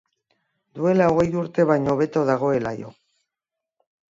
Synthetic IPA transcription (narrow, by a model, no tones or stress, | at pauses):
d̪ue̞laoɣe̞juɾt̪e̞βajɲoβe̞t̪o̞ðaɣ̞o̞e̞la̰jo̞̰